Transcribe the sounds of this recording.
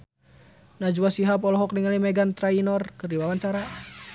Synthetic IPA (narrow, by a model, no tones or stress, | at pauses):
nad͡ʒuwasiɦapɔlɔɦɔkniŋalimɛɡant̪ɾainɔrkɨrdiwawaɲt͡ʃaɾa